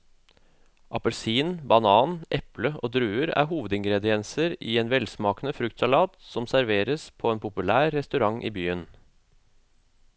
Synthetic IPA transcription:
ʔɑpəlsiːnbɑnɑːnʔɛpləʔo̰ːd̪ɾʉːəɾæ̰ːɾɦuːʋəd̪ɪŋɡɾɛd̪ɪɛnsəɾiːeːnʋɛlsmɑːkənəfɾʉkt̪sɑlɑːt̪sɔmsæɾʋeːɾəspʰoːeːnpʰʊpʉlæːɾːɛst̪ʉɾɑŋʔḭːbyːən

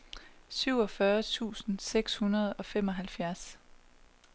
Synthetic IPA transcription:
syʊ̰ɒ̽fɶɐt͡sʰṵːsn̩seɡ̥shunɐð̞ˠɒ̽fem̰ɒ̽ɦælfjæɐs

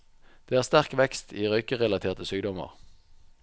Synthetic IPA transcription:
d̪̥eːæːʁst̪æʁkʋɛkst̪iːʁœʏkəʁɛlɑt̪ʰeːʁt̪əsyːɡ̚d̪ɔmə̰ʁ

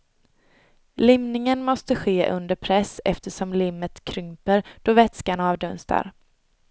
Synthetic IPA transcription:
lɪmnɪŋənmɔst̪əɧeːʔɵ̰nd̪əɾpʰɾɛsɛ̰ft̪əʂɔmlɪmːət̪kʰɾʏmpəɾd̪̥ɔvɛt̪skaɳaɑːvd̪ɵnst̪ʰa̰ɾ

